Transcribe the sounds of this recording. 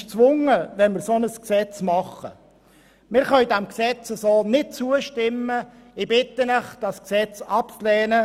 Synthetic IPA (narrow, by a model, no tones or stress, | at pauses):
ʃt͡sʋʊŋəʋɛnmɪɾsonəsksɛt͡smɑχə̰ | mɪɾχœʏdæmksɛt͡səsoːnɪt̚t͡suəʃtɪmːə | ɪbɪt̪ːənəχd̥ɑsksɛt͡sɑpt͡slɛːnə